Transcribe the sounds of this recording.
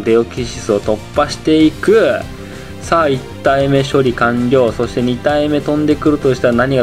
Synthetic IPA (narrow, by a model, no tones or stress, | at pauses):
d̪e̞okʲiɕi̥t͡sɨo̞t̪o̞pːaɕi̥t̪e̞ikɯ̟ | sait̪ːaime̞ɕo̞ɾʲikãŋɡʲo̞ːso̞ɕi̥t̪e̞ɲ̟it̪aime̞t̪õ̞nd̪e̞kɯ̟ɾɯ̟t̪o̞ɕi̥t̪anaɲ̟iɡa